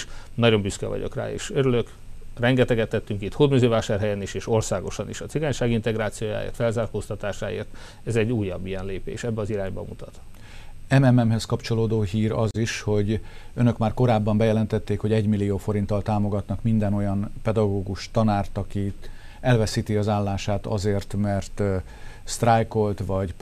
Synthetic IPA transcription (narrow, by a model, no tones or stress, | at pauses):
ʃnɒɟo̞mbyskɛ̰vɒ̰ɟo̞̰kra̰ːḛːʃøɾyløk | rɛŋɡɛt̪ɛɡɛt̪ːɛt̪ːyŋkit̪hoːd̪myzøːvaːʃaːrɦɛjɛniʃeːʃo̞rsaːɡo̞ʃɒnḭʃɒt̪siɡaːɲʃaːɡint̪ɛɡɾaːt̪sijoːja̰ːjḛːrt̪fɛlzaːrkoːst̪ɒt̪aːʃa̰ːḛːrt̪ | ɛzɛɟːuːjːɒbːijɛnleːpḛːʃɛbːɛɒziɾaːɲbɒ̰mṵt̪ɒt̪ | ɛmɛmɛmɦɛskɒpt͡ʃo̞loːd̪oːɦiːɾɒziʃho̞ɟønø̞kmaːrko̞ɾaːbːɒmbɛjɛlɛnt̪ɛt̪ːeːkho̞ɟɛɟmilːioːfo̞ɾint̪ːɒlt̪aːmo̞ɡɒt̪nɒkmind̪ɛno̞jɒnpɛd̪ɒɡoːɡuʃt̪ɒnaːrt̪ɒki | ɛlvɛsiːt̪iɒzaːlːaːʃaːt̪ɒ̰zeːrt̪mɛrt̪ | st̪rajko̞lt̪ʋɒɟ